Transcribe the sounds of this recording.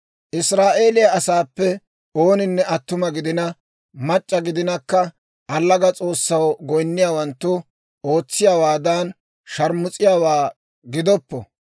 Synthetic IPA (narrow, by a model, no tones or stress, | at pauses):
ʔɪsɾaːʔe̞ːlɪjɐɐsaːpːɛ | o̞ːnɪnːɛɐt̪ːʊmɐɡɪd̪ɪnɐ | mɐt͡ʃʼːɐɡɪd̪ɪnɐkːɐ | ɐlːɐɡɐt͡sʼo̞ːsːɐwɡɔjnːɪjaːwɐnt̪ːʊ | o̞ːt͡sːɪjaːwaːd̪ɐn | ʃɐɾmʊt͡sʼɪjaːwaː | ɡɪd̪ɔpːɔ̰